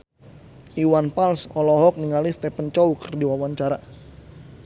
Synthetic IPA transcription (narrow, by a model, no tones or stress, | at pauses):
iwanpalsɔlɔɦɔk̚niŋalist̪ɛpənt͡ʃɔukərdiwawaɲt͡ʃaɾa